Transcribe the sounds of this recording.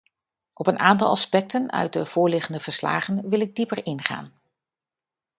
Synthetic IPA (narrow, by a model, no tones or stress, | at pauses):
ʔɔpənʔaːntɑ̰lˠɑ̰spɛk̚tənœ̰ɥt̚dəv̥ʊːɹlɪχəndəv̥əɹsla̰ːχənʋɪlɪɡ̚dipərɪnχa̰ːn